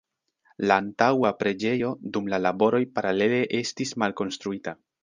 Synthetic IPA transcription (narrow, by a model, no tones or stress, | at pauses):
laːntawapɾe̞d͡ʒe̞jo̞dumlalabo̞ɾo̞jpaɾale̞le̞ʔe̞stismalko̞nstɾuita